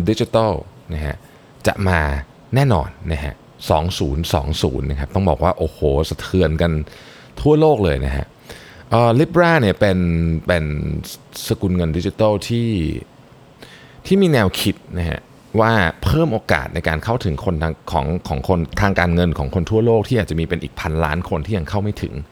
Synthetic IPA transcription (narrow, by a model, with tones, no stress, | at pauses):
di˦˥t͡ɕi˧˦t̪a˥˩na˦˥kʰa̰˦˥ʔ | t͡ɕa̰˨˩ʔmaː˧ | ɛː˥˩nɔ̰ː˧nːa˦˥kʰa̰˦˥ʔ | sɔ̰ː˩˦ŋsuː˩˦nsɔ̰ː˩˦ŋsṵː˩˦nːa˦˥kʰa˦p̚t̪ɔ˥˩bɔː˨˩k̚waː˥˩ʔoː˨˩hoː˨˩˦sa˧t̪ʰɯ˧ənka˧n | t̪ʰu˥˩ɐloː˥˩k̚lɤː˧jna̰˦˥kʰa̰˦˥ʔ | ʔɤː˧˩li˦˥p̚ɾaː˥˩ni˥˩ɐpe˧npe˧n | sa˧kuː˧nŋɤ˧ndi˦˥t͡ɕi˧t̪ɔ˥˩wt̪ʰiː˥˩ | t̪ʰiː˥˩miː˧nɛː˧wkʰi˦˥t̪̚na˦˥kʰa̰˦˥ʔ | waː˥˩pʰɤː˥˩mʔoː˧ka̰ː˨˩t̪̚nʔa˧jkaː˧nkʰa˥˩wt̪ʰɯ˩˦ŋkʰo˧nt̪ʰaː˧kʰɔ̰ː˩˦ŋkʰɔː˩˦ŋkʰo˧nt̪ʰaː˧ŋkaː˧nŋɤ˧nkʰɔː˩˦ŋkʰo˧nt̪ʰu˥˩ɐloː˥˩k̚t̪ʰiː˥˩ʔaː˨˩t͡ɕa˨˩miː˧pe˧nʔiː˨˩k̚pʰa˧nla̰ː˦˥nkʰo˧nt̪ʰiː˥˩ja˧ŋkʰa˥˩wma˥˩jt̪ʰɯ̰˩˦ŋ